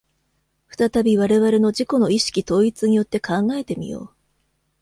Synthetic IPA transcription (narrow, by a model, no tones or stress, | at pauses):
ɸɯ̟̥t̪at̪abʲiβaɾe̞βaɾe̞no̞d͡ʑiko̞no̞iɕi̥kʲit̪o̞ːit͡sɨɲ̟ijo̞t̪ːe̞kʰãŋɡae̞t̪e̞mʲḭjo̞̰ː